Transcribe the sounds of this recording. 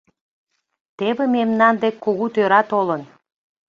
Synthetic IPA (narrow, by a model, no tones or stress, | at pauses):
t̪eβememnɑnd̪ekːuɣut̪øɾɑt̪olən